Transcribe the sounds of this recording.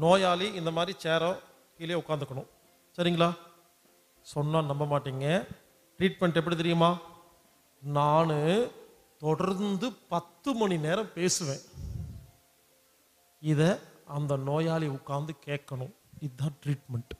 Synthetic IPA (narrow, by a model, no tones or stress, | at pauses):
noːjaːliɪnd̪ɐmaːd̪ɾit͡ʃeːɾɐ̃ | kiːleːʊkːaːɾnd̪ɯkːɐɳʊ̃ | sɐɾɪŋɡɐɭaː | sɔnːaːnɐmːɐmaːʈːiːŋɡɐ | ʈɾiːʈ̚mɛɳʈɛp̬ːɐɽit̪ɛɾɪjɯmaː | naːnɯ | t̪ɔɽɐɾnd̪ɯpɐt̪ːɯmɐɳineːɾɐ̃mpeːsɯʋẽː | ɪðɛɐnd̪ɐnoːjaːliʊkːaːɾnd̪ɯkeːkːɐɳʊ̃ | ɪðːãːʈɾiːʈmɛɳʈ